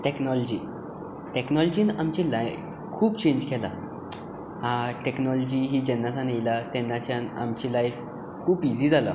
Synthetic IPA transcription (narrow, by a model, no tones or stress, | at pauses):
ʈeknɔlɔd͡ʑiː | ʈɛknɔld͡ʑiːnamt͡ɕĩlajf | kʰuːpt͡ɕẽɲd͡ʑkʰɛla̰ | haʈɛknɔlɔd͡ʑiɦiːd͡ʑɛnːasanejlat̪ɛnːat͡ɕjãna̰mt͡ɕilajf | kʰuːpid͡ziːd͡zala̰